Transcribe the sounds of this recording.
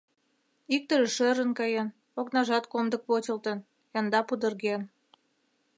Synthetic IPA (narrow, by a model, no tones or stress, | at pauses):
ik̚t̪əʒəʃøɾə̆nkɑjen | oknɑʒɑt̪komd̪ə̆k̚pot͡ɕʲə̆lt̪ə̆n | jɑnd̪ɑpud̪ə̆rɣen